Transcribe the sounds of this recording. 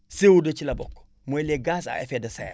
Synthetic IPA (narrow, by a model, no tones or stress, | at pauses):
sewudɐt͡ʃilɐbɔ̰kː | mojleɡas̬a̰ḛfedɐsa̰ja̰